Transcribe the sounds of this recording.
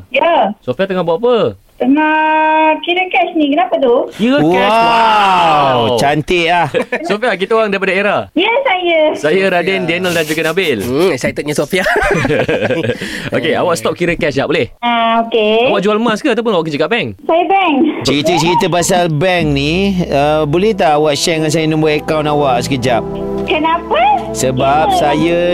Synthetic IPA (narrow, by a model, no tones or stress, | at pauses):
jəsofiat̪əŋahbaaʔap̬ə | t̪əŋa | kiɾəkɛʃnĩkənapat̪ukiɾəkɛaa | t͡ʃant̪elahsofiak̬it̪əoɣaŋdaipadaeɾajəsajəsajəɾadendiɛnəldand͡ʒuɡanabɪlsajət̪ət̪̚ɲasofia | o̰kea̰waʔst̪ɔp̚kiɾəkɛsjaʔbolɛhaokeawaʔd͡ʒualmaskaat̪awp̬ʊnawaʔk̬əd͡ʒəɡaʔbɛŋsajəbɛŋt͡ʃəɾit̪ət͡ʃəɾit̪əpasalbɛŋniəbolɛht̪aːwaʔʃɛŋans̬ajənə̃mbuat̪ekawnawaʔsəkəd͡ʒap̚ | kənapə | səbap̚sajə